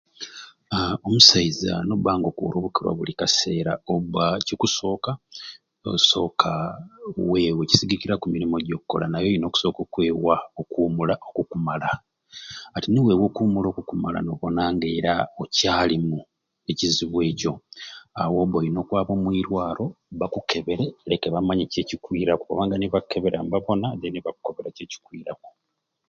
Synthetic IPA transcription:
omusaiza̰nobaːŋɡo̞kuo̰ɾoβukiɾwa̰βulikase̞ːɾa̰oβacikuso̞ːka | o̰so̞ːkʰa | we̞weci̥siɡikiɾakumiɾimo̞ɟo̞ːkukːo̞la̰najojino̞ːku̥so̞ːkokwe̞ːwaokuːmulaʔo̞kukumala | atiniwewo̞kuːmulo̞ːkukumala̰noβo̞naːŋɡe̞ːɾaocaːlimu | e̞ciziβwe̞ːco̞awo̞ːβojino̞ːkwaːβo̞ːmwiːɾwaːɾo̞βakukʰe̞βe̞ɾelekeβamaɲice̞ːcikwiːɾakooβaːŋɡaniβauke̞βeɾa̰mbaβo̞nad̪eniβaku̥ko̞βeɾace̞ːci̥kwiːɾako̥

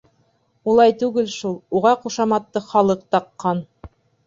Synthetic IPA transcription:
ulˠɑjt̪ʉɡɘlʃulˠuʁɑquʃɑmɑt̪ːɤχɑlˠɤq̚t̪ɑqːɑn

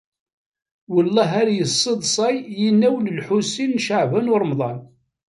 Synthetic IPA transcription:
wəlːɑɦæɾjəsˤːeðˤsˤɑjjinːæwləlħusːinːʃəʕvænʊɾˤəmðˤɑn

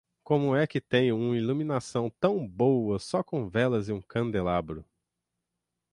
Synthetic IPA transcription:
kõmʊɛkɪt̪ẽj̃ũmɐilumĩnasɐ̃w̃t̪ɐ̃w̃bowɐsɔkõw̃vɛlɐzɪũkɐ̃nd̪elabɾʊ

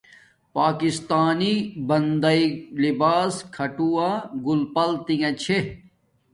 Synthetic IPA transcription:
paːkist̪aːnibɐnd̪ɐilibaːskʰɐʈuaːɡulpɐlt̪iŋɐ̃t͡ɕʰe

